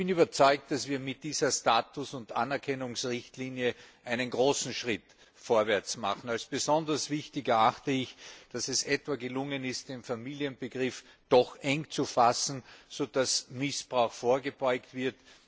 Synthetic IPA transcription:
pɪnyːbɐt͡sɔʏk̚t̚d̥asv̥iːɐmɪt̚d̥iːzɐstaːtʊsʊndʔa̰nɛɐkʰɛnʊŋsʁɪçtliːnjəʔæɪnənɡʁoːsn̩ʃʁɪt | foːɐvɛɐt͡sma̰χn̩alsb̥əzɔndɐsv̥ɪçtɪkɛɐaxtəɪçd̥asɛsɛtv̥aɡəlʊŋənɪst̚d̥enfamiːliənbəɡʁɪf | d̥ɔxʔɛŋt͡sufasn̩z̥oːd̥asmɪsb̥ʁaʊxfoːɐɡəb̥ɔʏktv̥ɪɐt

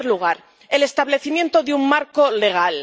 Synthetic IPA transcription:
ɾluɣ̞aɾ | e̞le̞st̪aβle̞θimje̞nt̪oðeummaɾkole̞ɣ̞al

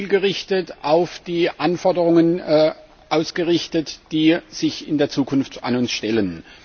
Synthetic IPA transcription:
lɡəʁɪçtətʔaʊfd̥iːʔanfɔɐdəʁʊŋən | ʔaʊsɡ̥əʁɪçtətd̥iːz̥ɪçɪndeːɐt͡suːkʰʊnfta̰nʊnsʃtɛlən

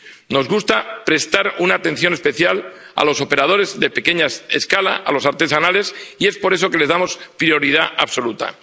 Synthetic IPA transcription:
no̞zɣust̪apɾe̞st̪aɾunaːt̪ẽ̞nθjo̞ne̞spe̞θjala̰lo̞so̞pe̞ɾað̞o̞ɾe̞zðe̞pe̞ke̞ɲaeskala̰ʔalo̞saɾt̪e̞sanale̞sie̞spo̞ɾe̞s̬o̞ke̞le̞zðamo̞spɾio̞ɾið̞aʔaβso̞lut̪a̰

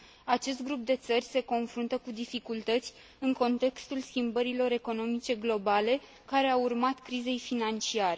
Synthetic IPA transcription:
at͡ʃe̞s̬t̪̚ɡɾup̚d̪e̞t̪sərʲse̞ko̞nfɾunt̪əkud̪ifikult̪ət̪sʲ | ɨŋko̞nt̪e̞kst̪ulskʲimbəɾilo̞ɾe̞ko̞no̞mit͡ʃe̞ɡlo̞bale̞ | kaɾe̞aurmat̪kɾize̞jfinant͡ʃiaɾe̞

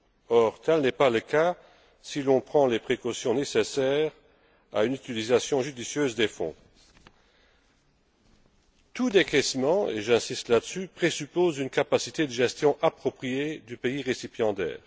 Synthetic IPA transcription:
ɔʁt̪ɛlnɛpaləka | silɔ̃pχɑ̃lepχekɔsjɔ̃nesesɛːʁ | a̰ynyt̪ilizasjɔ̃ʒyd̪isjøːzd̪efɔ̰̃ | t̪ud̪ekɛsmɑ̃ḛʒɛ̃sist̪lad̪əsypχesypoːzynkapasit̪ed̪əʒɛst̪jɔ̃ʔapχɔpχijed̪ypeiʁesipjɑ̃d̪ɛ̰ːʁ

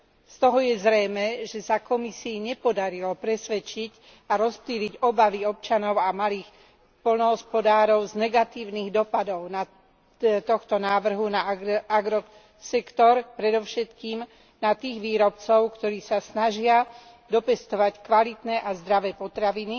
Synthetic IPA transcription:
st̪ɔɦɔjɛzɾɛjmɛːʒɛsakɔmisiːɲɛpɔd̪aɾilɔpɾɛsʋɛt͡ʃiɟ | aɾɔspliːɾiɟɔbaʋiɔp̚t͡ʃanɔʊamaliːx | pɔlnɔɦɔspɔd̪aːɾɔʊznɛɡat̪iːʊniːɣd̪ɔpad̪ɔʊna | t̪ɔxt̪ɔnaːʋr̩ɦunaaɡɾɔ | sɛkt̪ɔɾpɾɛd̪ɔʊʃɛt̪kiːm | nat̪iːɣʋiːɾɔpt͡sɔʊkt̪ɔɾiːsasnaʒɪa | d̪ɔpɛst̪ɔʋackʋalit̪nɛːʔazd̪ɾaʋɛːpɔt̪ɾaʋini

